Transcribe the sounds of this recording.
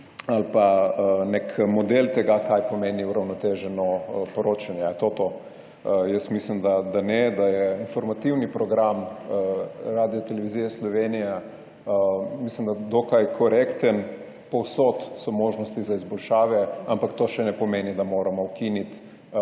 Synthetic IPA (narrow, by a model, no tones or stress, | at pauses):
alpanekʰmɔd̪elt̪ɛɡakajpɔmeːniuɾawnɔt̪eʒɛnɔpɔɾoːt͡ʃanjɛt̪ot̪o | jəsmislimd̪ad̪anɛd̪ajɛinfɔɾmat̪iwnipɾɔɡɾam | ɾad̪ijɔt̪ɛlɛʋiziːjɛslɔʋenija | mislimd̪ad̪okajkʰɔɾekt̪ən | pɔwsot̪sɔmoːʒnɔst̪izaizbɔlʃaːʋɛampakt̪oːʃɛnɛpɔmeːnid̪amoːɾamɔwkinit̪